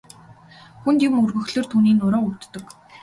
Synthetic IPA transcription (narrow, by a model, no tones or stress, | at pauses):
xunt̪ɪmɵrɣɵ̆xɮɵ̆rt̪ʰuːniːnːʊɾɔːut̪ːɵ̆k